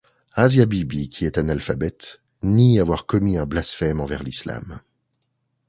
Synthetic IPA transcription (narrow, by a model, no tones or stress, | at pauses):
azjabibikʰʲiɛt̪ɛ̃nalfabɛt̪ | niavwaʁkɔmiɛ̃blasfɛmɑ̃vɛʁlisla̰m